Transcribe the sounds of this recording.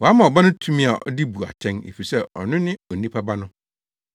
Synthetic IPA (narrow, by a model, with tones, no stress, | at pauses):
wɔ˨a˦mã˨ɔ˨ba˦nʊ̃˦tʰũ˦mĩ˦a˨ʔɔ̰˨di˦bu˨a̰˨tʰɛ̃˦nḛ˨fi˨i˨sɛ˦ɔ̰˨nʊ̃˦nɪ̃˦ɔ˨nĩ˦pʰa˦ba˦nʊ̃˦